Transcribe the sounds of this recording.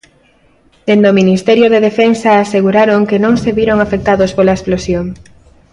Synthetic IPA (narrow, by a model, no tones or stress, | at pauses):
d̪̥end̪ominist̪ɛɾjoðeðefensɐːseɣuɾaɾoŋkenõŋseβiɾoŋafek̚t̪aðospolaesplosjoŋ